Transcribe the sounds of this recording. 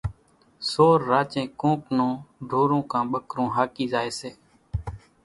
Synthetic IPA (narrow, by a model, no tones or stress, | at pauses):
soːɾːaːt͡ʃẽːkõːknõːɖʱoːɾõːkãːɓəkɾõːɦaːkiːzaːeːseː